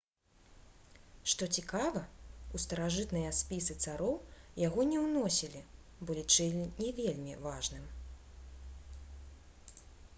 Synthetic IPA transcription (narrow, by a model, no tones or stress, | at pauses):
ʂt̪ɔt͡sʲikavɐust̪ɐɾaʐɨt̪nɐjɐspʲisɨt̪saɾɔwjaɣɔnʲɛwnɔsʲilʲi | bɔlʲit͡ʂɨlʲinʲɛvʲelʲmʲivaʐnɨm